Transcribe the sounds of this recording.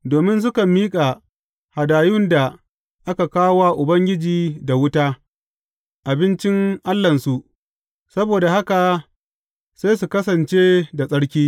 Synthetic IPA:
doː˨mɪ˦ns̬ʊ˦kɐ˨mːiː˦kʼa˨ | ha˨daː˨jʊ˦nda˨ | ʔa˦ka˨kaː˦wa˦ʔʊ˨bɐ˦ŋɡʲɪ˦d͡ʒiː˨da˨wʊ˦taː˦ | ʔa˨bɪ˦nt͡ʃɪ˦ŋʔa˦lːɐ˨nsu˨ʔ | sɐ˦boː˨da˨ha˦ka˨ | sa˦js̬u˨kɐ˦sɐ˨nt͡ʃeː˦da˨sʼɐ˦ɽkʲiː˦

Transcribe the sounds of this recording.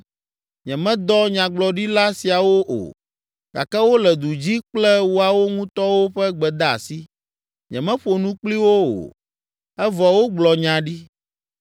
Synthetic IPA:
ɲɛ̃˨mɛ̃˦d̪ɔ˦ɲã˨ɡ͡blɔ˨ɖi˦la˦si˨a˨wo˦ʔo̰˨ | ka̰˨kɛ˦wo˦lɛ˨d̪u˨d͡ʑi˦k͡plɛ˦wu˦a˨wo˦ŋũ˦t̪ɔ˦wo˦ɸɛ˦ɡ͡bɛ˨d̪a˦a̰˨si˦ | ɲɛ̰̃˨mɛ̃˦ɸo˨nũ˦k͡pli˦wo˦o̰˨ | ɛ˦vɔ˨wo˦ɡ͡blɔ˨ɲã˨ɖi˦

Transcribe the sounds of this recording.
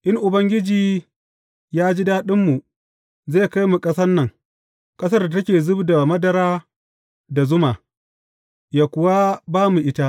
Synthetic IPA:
ʔɪ˦ŋʔʊ˨bɐ˦ŋɡʲɪ˦d͡ʒiː˨ | jaː˦d͡ʒi˦daː˦ɗɪ˦mːu˨ | zeː˦˨ka˦jmu˨kʼɐ˦sɐ˦nːɐ˨ŋ | kʼɐ˦s̬ɐ˦rda˨tɐ˦kʲeː˨zʊ˦bda˨mɐ˦dɐ˨ɾaː˦ | da˨zʊ˦ma˨ | jaː˨kʷʊ˨wa˦baː˦mu˨ʔɪ˦ta˦ʔ

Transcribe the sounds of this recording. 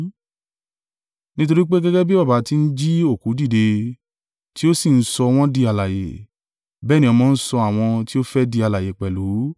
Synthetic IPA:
nĩ˦t̬o˧ɾi˦k͡pe˦ɡɛ˦ɡɛ˦bi˦ba˦˨ba˨˦ti˧n̩˦d͡ʒi˦o˦˨ku˨˦di˦˨de˧ | ti˦o˦si˦˨n̩˦sɔ˧w̃ɔ̃˦di˧a˨la˨jḛ˨ | bɛː˦˨nĩ˧˦ɔ˧mɔ̃˨˦˧n̩˦sɔ˧a˨w̃ɔ̃˧ti˦o˦fɛ˦di˧a˨la˨je˨k͡pɛ˨lu˨˦

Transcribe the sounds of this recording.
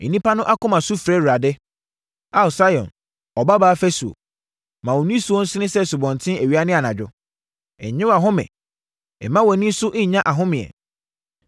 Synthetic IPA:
i˨nĩ˦pʰa˦nʊ̃˦ʔa˦kʊ̃˦mã˨su˦fɾɛ˦ɾu˨ɾa˨dɪ˦ | a˨˦˨sa˦jɔ̰̃˨n | ɔ˨ba˦baː˦fɛ˦su˨o̰˨ | mã˨wɔ˨nĩ˦su˨ɔ˦n̩˦sɪ˦nɪ̃˦sɛ˦su˨bɔ̃˨n˨tʰɪ̃˦æ˨ɥi˨˦a˦nɪ̃˦a˨nã˨d͡ʑᶣʊ˦ | ɛ̰˨ɲ˨ɲɪ̃˦wa˨ɦʊ̃˦mɛ̰̃˨ | ɛ˨mã˦wɔ˨nĩ˦sʊ˦ʔɪ˦ɲ˨ɲã˦ʔa˨ɦʊ̃˦mɪ̃˨ɛ̰˨

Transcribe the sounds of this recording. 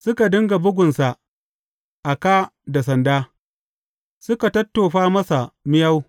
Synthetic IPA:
sʊ˦ka˨dɪ˦ŋɡa˨bʊ˦ɡʷʊ˨nsa˨ʔ | ʔa˨kaː˦da˨sɐ˨ndaː˦ | sʊ˦ka˨tɐ˦tːoː˨ɸaː˦mɐ˦sa˨mɪ˦ja˦w

